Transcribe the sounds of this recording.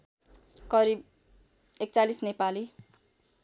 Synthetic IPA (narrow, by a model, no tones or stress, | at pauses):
kʌɾib | ek̚t͡salisnepali